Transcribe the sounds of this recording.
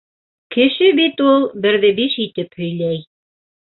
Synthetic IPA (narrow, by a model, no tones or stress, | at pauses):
kɘ̆ʃɘbit̪ulˠbɘ̆ɾðɘbiʃit̪ɘphɵ̆jlæj